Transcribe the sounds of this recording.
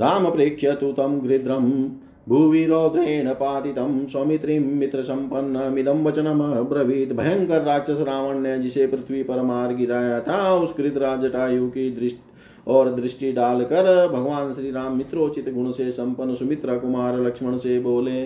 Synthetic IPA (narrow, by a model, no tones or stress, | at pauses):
ɾaːmɐpɾeːkʂɐt̪ut̪ɐmɡɾid̪ɾɐm | bʱuːʋiɾoːt̪eːɳɐpaːt̪it̪ɐmswɐmit̪ɾimːit̪ɾɐsɐmpɐnːɐmid̪ɐmʋɐt͡ʃɐnɐmɐbɾɐʋiːt̪bʱɐjɐŋkɐɾːaːt͡ʃɐsɾaːʋɐɳjɐd͡ʒiseːpɾɪt̪ʰʋipɐɾɐmaːɾɡit̪aːjɐt̪ʰaːusɡɾɪd̪ɾaːd͡ʒɐʈaːjuːkid̪ɾɪʃʈ | ɔːɾd̪ɾɪʂʈiɖaːlkɐɾbʱɐɡʋaːnʃɾiːɾaːmːit̪ɾoːt͡ʃit̪ɡuɳɐseːsɐmpɐnːɐsumit̪ɾɐkumaːɾɐlɐkʂmɐɳɐseːboːleː